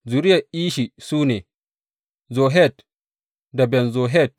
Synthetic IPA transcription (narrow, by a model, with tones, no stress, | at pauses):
zu˨ɾɪ˦jɐ˨ʔiː˦ʃi˨suː˦neː˨ | zo˨ɦɛ˦˨t | da˨bɛ˨nzoː˨ɦɛ˦˨t̚